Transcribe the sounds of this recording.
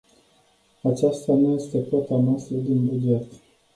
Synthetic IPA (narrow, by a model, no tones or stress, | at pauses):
at͡ʃast̪anuje̞st̪e̞pot̪anast̪ɾəd̪inbud͡ʒe̞t̪